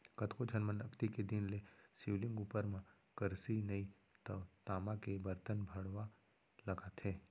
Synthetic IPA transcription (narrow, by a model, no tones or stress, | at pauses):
kɐt̪kod͡ʒʰɐnmənɐkt̪iked̪inlesiʋlɪ̃ŋɡuːpəɾmã | kəɾsinɐi | t̪ɐʋt̪aːmakebəɾt̪ənbʱəɽʋa | lɐɡat̪ʰeː